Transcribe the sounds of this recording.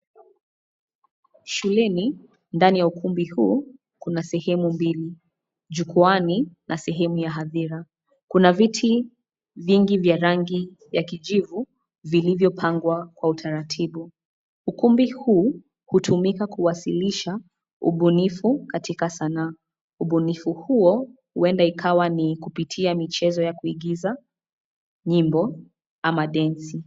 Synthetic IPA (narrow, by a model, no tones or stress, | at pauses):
ʃulɛni | ndanijaukumbihuː | kunasɛhɛmumbili | ʄukuaninasɛɦɛmujaɦaðiɾa | kunavitʰi | viŋɡivjaɾaŋɡi | vjakiʄivu | vilivjɔpʰaŋɡwakwautʰaɾatʰiɓu | ukumbihuː | hutʰumikakuwasiliʃa | ṵɓunifukatikasanaː | uɓunifuhuɔhuɛndaikʰawanikupitʰiamit͡ʃɛzɔjakuiɠiza | ɲimbɔ | amaɗɛnsi